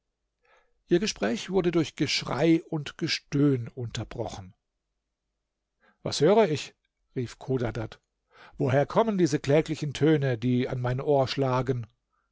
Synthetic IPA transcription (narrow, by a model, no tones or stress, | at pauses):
ʔiːɐɡəʃpʁ̥ɛːçv̥ʊɐdədʊɐçɡ̥əʃʁ̥a̰ɪʊntɡ̥əʃtøːnʊntɐbʁɔ̰χn̩ | va̰shøːʁəɪç | ʁiːfkʰoːdadat | voːɦeːɐkʰɔməndiːzəkl̥ɛːklɪçn̩tʰøːnədiːa̰nmaɪnnʔoːɐʃlaːɡən